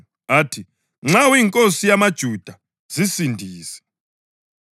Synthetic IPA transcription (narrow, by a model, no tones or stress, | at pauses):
atʰi | ŋ͡ǁawiːŋkʼosijamad̥ʒ̥ʱud̥ʱa | z̥isindʱiːsɛ̥